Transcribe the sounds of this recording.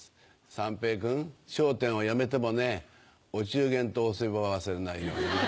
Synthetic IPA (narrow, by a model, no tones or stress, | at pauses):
sãmpe̞ːkɯ̟̃ŋɕoːt̪ẽ̞ɰ̃o̞jame̞t̪e̞mo̞ne̞ | ot͡ɕɨːɡẽ̞nt̪oːsɨiβoβaβasɨɾenaijo̞̰ːɲi